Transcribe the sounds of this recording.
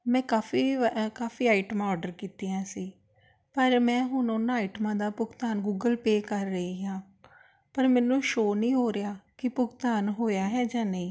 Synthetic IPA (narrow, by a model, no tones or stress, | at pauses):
mɛ̃ːkaːfiːkaːfiːaːɪʈəmãːɔːɾɖəɾkiːt̪iːãːsiː | pəɾmɛ̃ːɦʊnʊnːiʈəmãːd̪aːpʊɡt̪aːnɡuːɡəlpeːkəɾːəiːɦãː | pəɾmɛːnũːʃoːnĩːɦoːɾɪjaːkɪpʊɡt̪aːnɦoːjaːɦɛːd͡ʒãːnəĩː